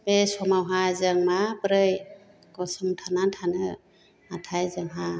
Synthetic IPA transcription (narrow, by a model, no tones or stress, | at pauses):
besɔmawɦazɯŋmabɾɯj | kɔsɯmtʰanantʰanɯ | atʰajzɯŋɦa